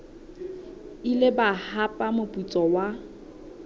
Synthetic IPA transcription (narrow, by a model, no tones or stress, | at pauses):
ilɪbahapʼamʊpʼut͡sʼɔwa